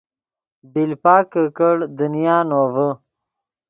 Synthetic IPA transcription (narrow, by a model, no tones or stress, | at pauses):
bilpaːkəkəɽd̪unijaːnovə